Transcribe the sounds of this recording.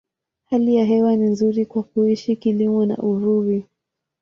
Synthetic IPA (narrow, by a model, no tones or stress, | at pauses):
halijaɦɛwaninzuɾikwak̚uiʃikilimɔna̰ʔuɾuɾi